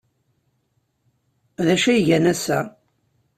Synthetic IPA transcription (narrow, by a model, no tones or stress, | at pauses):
ðæʃæjʝænæsæ